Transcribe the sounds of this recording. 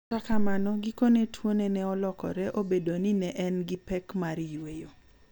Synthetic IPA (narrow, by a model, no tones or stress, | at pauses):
kakamanɔɡikonetwonenɛɔlɔkɔ̰ɾɛʔobedoninɛʔɛnɡipɛkmaɾjwejo